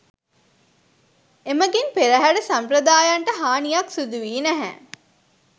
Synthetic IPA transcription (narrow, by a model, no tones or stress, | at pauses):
eməɡenpeɾəɦæɖəsampɾəd̪aːjaɳʈəɦaːnijaksud̪uʋiːnæɦæ̰